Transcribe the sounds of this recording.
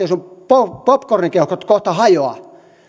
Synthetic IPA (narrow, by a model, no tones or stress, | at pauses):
esumpopopkoriŋkeukot̪koht̪ɑhɑjoɑ̰